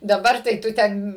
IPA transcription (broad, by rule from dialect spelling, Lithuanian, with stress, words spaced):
dɐˈbɐr tɐɪ ˈtʊ ˈtʲɛn